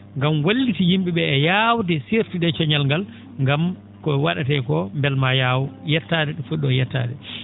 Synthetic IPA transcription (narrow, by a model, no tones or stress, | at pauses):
ŋɡamwolːitijimɓiɓɛːjawtɛsiɾtiɗɛt͡ʃɔɲalŋɡal | ŋɡam | kɔɛwaɗatɛkɔmbɛlmajawjɛtːadɛɗɔfuɗːɔjɛtːa̰ːdɛ